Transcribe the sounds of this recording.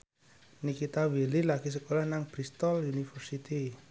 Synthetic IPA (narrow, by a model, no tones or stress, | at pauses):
nikit̪awililaɡ̥is̬əkolahnaŋb̥ɾist̪ɔljunifərsit̪i